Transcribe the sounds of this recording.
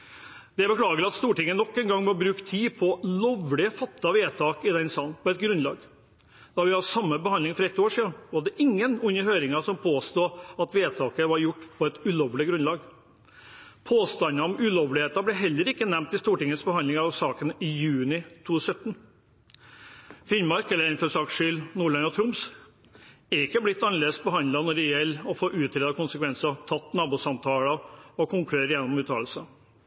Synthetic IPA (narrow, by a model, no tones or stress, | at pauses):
d̪̥ɛbəkʰlɑːɡəlɑt̪st̪uːʈɪŋːənɔkːɛnɡɑŋːmɑɾbɾʉːkt̪ʰiːpʰɔlɔʋlɪəfɑt̪ːɑʋeːt̪ʰɑːkɪd̪ɛnsɑːn̩pʰɔɛt̪̚ɡɾʉnlɑ̰ːɡ | d̪̥ɑʋɪhɑsɑmːəbəhɑndlɪŋfɔɾɛt̪ːoːʂiːɑʋɑɖ̪ɛʔɪŋːənʉnːəhøːɾɪŋɑʂɔmpʰoːst̪uːɑt̪ʋeːt̪ʰɑːkəʋɑɾjʊʈːpʰɔɛt̪ʉloːʋlɪɡɾʉnlɑːɡ | pʰoːst̪ɑnɑɔmʉloːʋlɪheːt̪ɑblɛɦɛlːəɾɪkːənɛmt̪ɪst̪uːʈɪŋːəsbəhɑnlɪŋɑɑʋsɑːkənɪjʉːnɪt̪ʰuːsœt̪ːn | fɪnmɑɾkɛlːəɾɪnføʂɑkʂʏlnuːɭɑnɔt̪ʰɾʊms | æɾɪkːəblɪt̪ːɑnəleːd̪əsbəɦɑnd̪ɑnɔɖɛjɛlːɔfoːʔʉːt̪ʰɾeːd̪ɑkʰʊnsəkʰʋɛnsɑt̪ʰɑt̪ːnɑːbuːsɑmt̪ʰɑːlɑɔkʰʊŋkʉɾeːɾəjɛnːɔmʉːt̪ʰɑːlsə